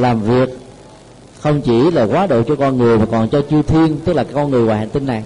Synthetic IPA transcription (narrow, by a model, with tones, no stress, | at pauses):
laː˨˩mvi˨˩ək̚ | xə˧wŋ͡mt͡ɕi˧˩laː˨˩kwaː˨˦ɗo̰˧˨t͡ɕɔ˧kɔ˧nŋɨ˨˩əjmaː˨˩kɔ˨˩nt͡ɕɔ˧t͡ɕɨ˧əwt̪ʰi˧ənt̪ɨ˦˥k̚laː˨˩kaː˨˦˥kːɔ˧ŋɨ˨˩əjwːha̰˧˨nt̪i˧nːa˨˩j